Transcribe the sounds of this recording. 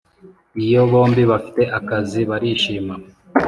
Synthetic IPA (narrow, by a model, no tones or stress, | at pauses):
ijo̞βo̞ːmbiβafi̥te̞ʔakaziβaɾiʃiːma